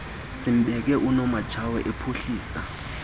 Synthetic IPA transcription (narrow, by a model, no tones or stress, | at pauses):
t͡sʰim̩ɓɛk̬ɛʔunɔmḁt͡ʃʰawɛʔepʰoɬiːsa̰